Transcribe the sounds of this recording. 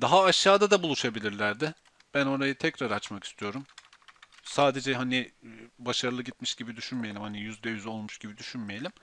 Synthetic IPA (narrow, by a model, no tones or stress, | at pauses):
d̪̥aɦaːʃːaːd̪ad̪abulˠuʃabilʲiɾlʲæɾd̪ɪ | b̥æno̞ɾajɯt̪ʰɛcɾaɾat͡ʃmaki̥st̪ʰijo̞ɾum | saːd̪e̞d͡ʒɛɦanɪbaʃaɾɯlˠɯɟit̪miʃɟibid̪yʃynmejelʲimhanijyzd̪ɛjyzolˠmuʃɟ̥ibid̪yʃynmejelʲim